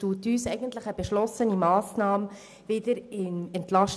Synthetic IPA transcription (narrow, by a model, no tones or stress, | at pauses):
tuːtyːsɛjɡəntlɪχæbɛʃlɔsənimɑːsnɑːm | vɪdəɾɪnɛntlɑʃt